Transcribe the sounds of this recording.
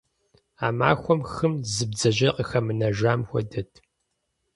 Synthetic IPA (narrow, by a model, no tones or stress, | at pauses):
aːma̰ːxʷɔmxɨmzɨbd͡zɐʑɐqʼəxɐmɨnɐʒaːmxʷɔ̰dɐtʰ